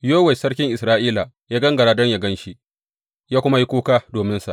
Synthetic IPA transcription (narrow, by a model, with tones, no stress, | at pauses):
joː˦wɛ˨sɐ˦ɽkʲɪ˦ŋʔɪ˨sɾaː˦ʔiː˦la˨ | jaː˦ɡɐ˦ŋɡɐ˨ɽaː˨dɔ˦ɲja˦ɡɐ˦nʃi˦ʔ | jaː˦kʷʊ˦ma˦ji˦kʷuː˦kaː˦doː˨mɪ˦nsa̰˨ʔ